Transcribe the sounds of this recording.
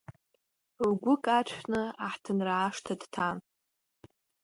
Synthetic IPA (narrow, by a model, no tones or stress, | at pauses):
ɡʷʊkʼat͡ʃʷʰnɨaħtʰɨnraːʂtʰadtʰan